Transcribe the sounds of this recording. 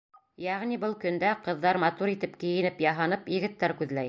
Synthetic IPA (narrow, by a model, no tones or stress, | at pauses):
jæʁnibɤlˠkɵ̆nd̪æqɤ̆ðːɑɾmɑt̪uɾit̪ɘpkɘ̆jɘ̆nɘpjɑɦɑnɤpjɘ̆ɡɘ̆t̪ːæɾkʉðlæj